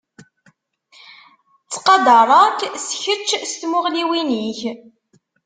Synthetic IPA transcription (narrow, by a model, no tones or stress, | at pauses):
t͡sːqɑd̪ɑɾˤɑksçət͡ʃːst̪mʊʁliwiniç